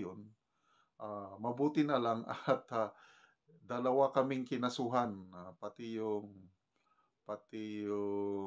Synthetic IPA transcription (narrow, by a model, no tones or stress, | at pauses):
ʊn | ʔamɐbuːt̪ɪnɐlaŋa̰t̪a | d̪ɐlɐwakɐmɪŋkɪnɐsuɦanapat̪ɪjʊŋ | pat̪ɪjʊ